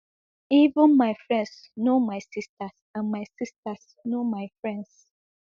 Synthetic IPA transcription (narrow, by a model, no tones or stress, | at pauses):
ivə̃nmaɪfɹɛ̃nds | nomaɪsistasãnmaɪsistas | nomaɪfɹɛ̃nds